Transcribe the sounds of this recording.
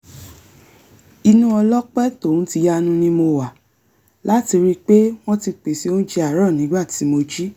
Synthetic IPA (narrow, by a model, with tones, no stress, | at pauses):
i˧nũ˦ɔ˧lɔ˦k͡pɛ˦to˦˨n̩˦ti˧ja˦nũ˦nĩ˦mo˧wa˨ | la˨˦ti˧ɾi˦k͡pe˦w̃ɔ̃˦ti˧k͡pe˨si˧˦o˦n̩˦d͡ʒe˧a˨ɾɔ˦˨nĩ˨˦ɡ͡ba˦˨ti˨˦mo˧d͡ʒi˦